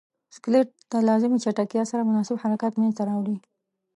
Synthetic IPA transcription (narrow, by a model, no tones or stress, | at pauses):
sklɪʈ̚d̪̥əlɑzɪmit͡ʃaʈakjɑsaɾamʊnɑsɪbhaɾakat̪menzt̪aɾɑwɽi